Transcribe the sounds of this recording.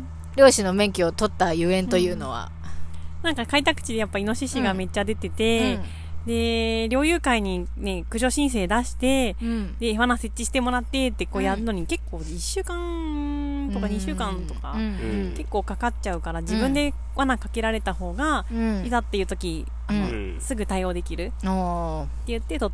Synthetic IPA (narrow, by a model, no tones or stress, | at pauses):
ɾʲo̞ːɕino̞mẽ̞ŋkʲio̞t̪o̞t̪ːajɯ̟ːẽ̞nt̪o̞jɯ̟ːno̞βa̰ | nãŋkakait̪akɯ̟̥t͡ɕid̪e̞japːaino̞ɕiɕiɡame̞t͡ɕːad̪e̞t̪e̞t̪e̞ | d̪e̞ɾʲo̞ːjɯ̟ːkaiɲ̟i | ne̞kɯ̟ʑo̞ɕĩs̬e̞ːd̪aɕi̥t̪e̞d̪e̞ːβanase̞t͡ɕːiɕi̥t̪e̞mo̞ɾat̪ːe̞t̪ːe̞ko̞ːjaɾɯ̟no̞ɲ̟ike̞kːo̞ːiɕːɨːkãŋ | t̪o̞kaɲ̟iɕɨːkãnt̪o̞ka̰ | ke̞kːo̞ːkakatt͡ɕaɯ̟kaɾad͡ʑibɯ̟̃nd̪e̞ | βanakake̞ɾaɾe̞t̪aho̞ːɡaizat̪ːe̞jɯ̟t̪okʲi | ano̞ | sɨɡɯ̟t̪aio̞ːd̪e̞kʲiɾɯ̟ | t̪ːe̞jɯ̟t̪ːet̪o